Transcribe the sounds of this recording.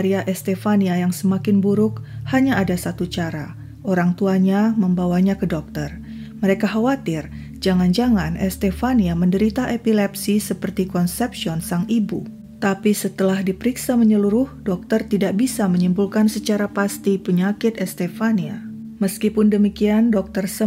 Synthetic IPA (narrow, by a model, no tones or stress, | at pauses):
aɾiaʔɛst̪ɛfaniajaŋsəmakɪnbuɾʊkhaɲaːdasat̪ut͡ʃaɾa | ʔoɾaŋt̪uaɲaməmbawaɲakədɔk̚t̪ər | məɾekaɦawat̪ɪr | d͡ʒaŋand͡ʒaŋanɛst̪ɛfaniaməndəɾit̪aʔepilɛpsisəpərt̪ikɔnsɛpsiɔnsaŋibṵ | t̪apisət̪əlahdipəɾiksaməɲəluɾʊhdɔk̚t̪ərt̪idaʔ̚bisaməɲimbulkansət͡ʃaɾapast̪ipəɲakɪt̪ɛst̪ɛfania̰ | məskipʊndəmikiandɔk̚t̪ərsə